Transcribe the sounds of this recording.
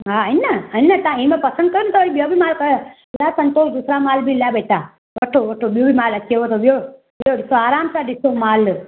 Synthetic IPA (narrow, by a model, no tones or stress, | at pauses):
ɦaənəəinːət̪ãĩmẽpɐsənɖ̪kəɾunt̪oɾibjoːbimaːlkə | laːsɐnt̪oːsd̪usɾamaːlbʱilabeːʈa | ʋɐʈʰoʋɐʈʰobjoːbʱimaːlɐkːeʋot̪oʋjo | boɖisoaːɾaːmsaɖisomaːl